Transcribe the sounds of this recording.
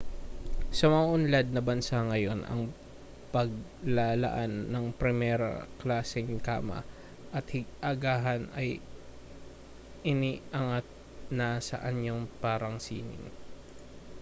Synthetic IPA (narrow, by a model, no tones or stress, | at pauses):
sɐmɐŋaʔʊnlɐd̪̚nɐbɐnsaŋɐjo̞nʔɐ̰ŋ | pɐɡ̚lalɐ̰ʔanːɐŋpɾɛmɛɾɐ̰klaːsɪŋka̰ːmɐ̰ | ʔɐt̪hɪɡʔɐɡaːɦɐnɐj | ʔɪniːʔɐŋat̪̚ | nɐsɐ̰ʔɐɲoŋpaːɾɐŋsḭːnɪ̰ŋ